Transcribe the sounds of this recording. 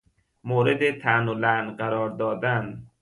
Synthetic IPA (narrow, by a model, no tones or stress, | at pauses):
moːɾed̪et̪ʰænolænɢæɾɒːɾd̪ɒːd̪æn